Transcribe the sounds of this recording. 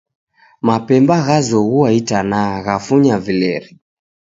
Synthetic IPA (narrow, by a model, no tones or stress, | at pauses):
mapɛmbaɣazɔɣuaitanaɣafuɲavilɛɾi